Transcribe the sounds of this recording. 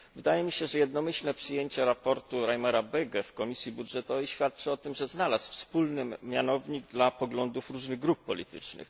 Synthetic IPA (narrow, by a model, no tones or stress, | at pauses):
vɘd̪ajɛmʲiɕɛʐɛjɛd̪nɔmɘɕlnɛpʂɘjeɲt͡ɕɛɾapɔɾt̪uɾajmɛɾabɛɡɛfkɔmʲisʲjibudʐɛt̪ɔvɛjɕfʲjat̪̚t͡ʂɘɔt̪ɘmʐɛznalasfspulnɘmʲjanɔvɲiɡ̚d̪lapɔɡlɔnd̪ufɾuʐnɘɣɡɾupːɔlʲit̪ɘ̰t͡ʂnɘ̰x